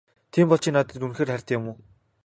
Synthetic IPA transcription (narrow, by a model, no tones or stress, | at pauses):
t̪ʰiːmpɔɮt͡ɕĭːŋnat̪ə̆t̪unxeːrχæɾʲt̪jʊ̆muː